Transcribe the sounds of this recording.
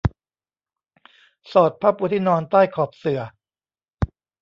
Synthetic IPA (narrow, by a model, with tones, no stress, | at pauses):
sɔː˨˩t̪̚pʰa˦˥˩pːuː˧t̪ʰiː˥˩nɔː˧nt̪aː˥˩jkʰɔː˨˩p̚sɯ˨˩ɐ